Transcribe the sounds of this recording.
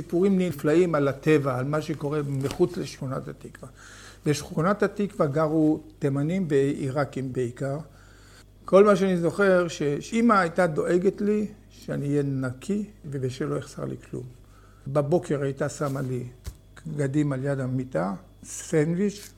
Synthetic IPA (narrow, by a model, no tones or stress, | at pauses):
sipuʁimniflaimalat̪e̞vaːlmaʃeko̞ʁe̞meχut͡sleʃχuna̰t̪hat̪ikva | beʃχunat̪hat̪ikvaɡaʁut̪emanimveiʁakimbeikaʁ | ko̞lmaʃeanizo̞χe̞ʁʃeimaːjt̪ad̪o̞ʔe̞ɡetli | ʃeaniːjenakʰivebeʃeloeχsa̰ʁlḭkʰlṵm | babo̞kʰe̞ʁajt̪asamali | ɡad̪imaljad̪amit̪a | sfenviʃ